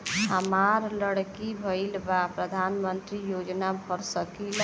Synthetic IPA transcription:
ɦəmaɾləɽkibʱəɪlbapɾəd̪ʱanmənt̪ɾijod͡ʒnabʱəɾsəkil

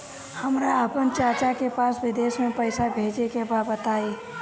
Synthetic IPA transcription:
hɐmɾaəpənt͡ʃaːɾt͡ʃakepaːsʋɪd̪eːʃmẽpɐɪsabʱeːd͡ʒekebaːbət̪aːeː

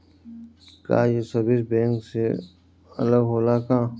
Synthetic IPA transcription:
ka̰ːjesɐbisbẽːŋkse | ɐ̰ləɡɦoːlaːkãː

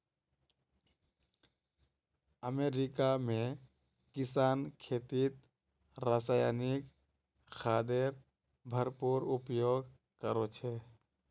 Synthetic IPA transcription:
əmeɾikamẽ | kɪsaːnkʰeːt̪it̪ | ɾaːsajanik | xʰaːd̪eɾ | bʱəɾpuɾupjoɡ | kəɾot͡ʃʰe

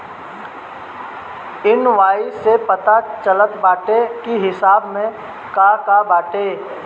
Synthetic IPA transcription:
ɪnʋaːisepɐt̪at͡ʃələt̪baːʈekiɦɪsaːbmẽ | kakabaːʈe

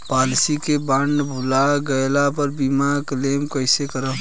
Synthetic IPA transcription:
palsikebaɳɖbʱulaɡəjlapəɾbimaklemkəɪsekəɾə

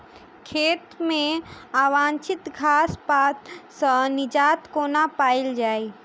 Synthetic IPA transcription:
kʰeːt̪mẽaːwaːnt͡ʃɪt̪ɡʱaːspaːt̪sə̃nɪd͡ʒaːt̪koːnapaːɪld͡ʒaːi

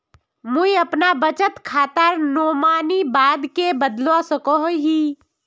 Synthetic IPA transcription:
muiəpnabət͡ʃət̪kʰaːt̪əɾnoːmaːnibaːd̪kebəd̪losəkɔɦɦiː

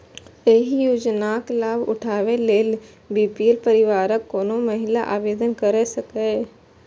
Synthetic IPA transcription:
eːɦijuːd͡ʒnaːklaːbʊ̰ʈʰaːʋeleːl | biːpielpəɾɪʋaːɾəkːoːnomɐɦɪlaʔaːʋeːd̪ənkəɾesəkeː

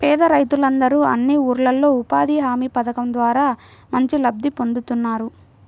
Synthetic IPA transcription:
pɛːd̪ɐɾɐjt̪ulɐnd̪ɐɾuɐ̰nːiuːɾlɐlːo̞ːupaːd̪iːɦaːmiːpɐd̪ɐkɐmd̪ʋaːɾaːmɐɲt͡ʃilɐb̚d̪ipo̞nd̪ut̪unːaːɾu

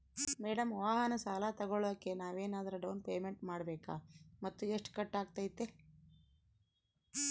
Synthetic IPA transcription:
mɛːɽɐmʋaːɦɐnɐsaːlat̪ɐɡoɭod̪ɐkːe̞naːʋeːnaːd̪ɐɾɐɖɐwnpeːmeɳʈmaːɽɐbeːka̰ːmɐt̪ːueʂʈkɐʈːaːɡ̚t̪ajit̪ːe

